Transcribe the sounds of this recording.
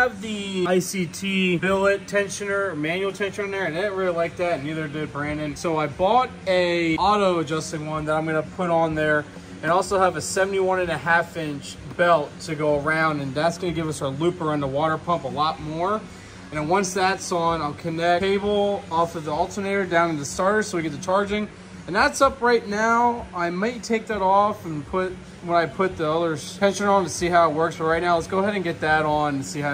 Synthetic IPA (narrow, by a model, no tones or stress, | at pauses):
əvðiaɪsitʰibɪlˠɪtʰɛ̃nʃɨ̃nə˞mæ̃njul̩ˠtʰɛ̃nʃɨ̃nɨ̃nðə˞ɨ̃nɪn̩ɹɪlˠilaɪk̚ðætⁿniðə˞dɪd̚bɹæ̃ndɨ̃nsoʊaɪbɔɾ | ɨɑɾoʊəd͡ʒʌstɪ̃ŋwʌ̃nðəɾãɪ̃mɡʌnəpʰʊɾn̩ðə˞ | ɨ̃nɔlˠsoʊəvɨsɛvn̩tiwʌ̃nɨ̃nɨɦæfɪ̃nt͡ʃb̥ɛlˠtʰɨɡoʊə˞ãʊ̃ndɨ̃nðætsɡ̥ʌnɨɡɪvʌsə˞lʉpə˞ʌ̃nəwɔɾə˞pʰʌ̃mpəlɔt̚mɔɹ | ɨ̃nɨ̃wʌ̃nsðætsn̩aɪlˠkʰɨnɛeɪbl̩ˠɔfʌvðiɔlˠtʰə˞neɪɾə˞dãʊ̃nɨ̃n̩ðɨstɑɹɾə̥˞soʊwiɡɛt̪̚ðɨt͡ʃʰɑɹd͡ʒɪ̃ŋ | ɨ̃nðætsʌpɹaɪtⁿnaʊaɪmaɪtʰeɪk̚ðɨɾɔfɨ̃n̩pʰʊt̚ | wə̃naɪpʰʊt̪̚ðiʌðə˞ɛ̃nʃɨ̃nə̃ntɨsiɦaʊət̚wɜ˞ksfə˞ɹaɪt̚ⁿnaʊlɛtsɡ̥oʊəɦɛɾɨ̃nɡɛt̪̚ðɨɾn̩siha